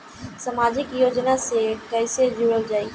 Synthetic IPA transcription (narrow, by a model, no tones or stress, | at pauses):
sɐmaːd͡ʒɪkjoːd͡ʒnasekɛːsed͡ʒuːɽəld͡ʒaːi